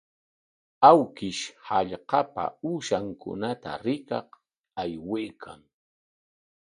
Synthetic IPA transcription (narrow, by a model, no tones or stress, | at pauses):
awkɪʃhaʎqɑpa̰uːʃaŋkʊ̰nat̪a̰ɾɪkɑq | ajwejkʰaŋ